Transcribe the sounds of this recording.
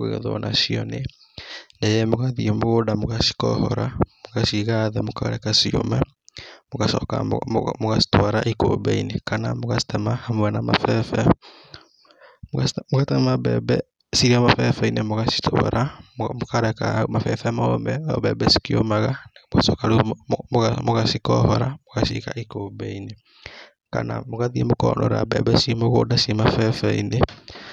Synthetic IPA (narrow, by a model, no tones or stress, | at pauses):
eɣɛ̰ðɔnʔa̰ʃiɔne | nɛjɛmoɣaðiɛmoɣodamoɣaʃi̥kɔ̰hɔ̰ɾa̰moɣaʃiɣaðɛmokaɔ̰ɾɛkasio̰mɛ | moɣasɔ̰ka̰moɣasi̥twaɾa̰ʔiko̰bɛ̰inekana̰moɣasi̥tɛmahamwɛnama̰fɛfɛ | moɣatɛmabɛ̰bɛ | siɾiamafɛfɛinemoɣasi̥ta̰ɾʔamokaɾɛka̰mafɛfɛmɔmɛɔbɛbɛsi̥kio̰maɣanamoɣasɔkaɾummoɣasikɔhɔɾamoɣasḭka̰ʔikobɛine | ka̰na̰moɣaðiemokɔːnɔ̰ɾa̰bɛ̰bɛsimoɣodasimafɛfɛine